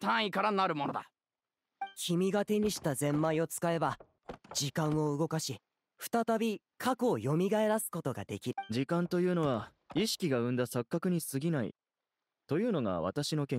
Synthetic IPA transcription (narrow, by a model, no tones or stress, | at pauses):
t̪ãɰ̃ikaɾanaɾɯ̟mo̞nod̪a | kʲʰimʲiɡat̪e̞ɲ̟iɕi̥t̪azẽ̞mːaio̞t͡sɨ̥kae̞ba | d͡ʑikãɰ̃o̞ɯ̟ɡo̞kaɕi | ɸɯ̟̥t̪at̪abʲi | kʰakoːjo̞mʲiɡae̞ɾasɨ̥ko̞t̪o̞ɡa̰d̪e̞kʲiɾɯd͡ʑikãnt̪o̞jɯ̟ːno̞βa | iɕi̥kʲiɡaɯ̟̃nd̪asakːakɯ̟ɲ̟isɨɡʲinaḭ | t̪o̞jɯ̟ːno̞ɡa̰βa̰t̪aɕino̞kẽ̞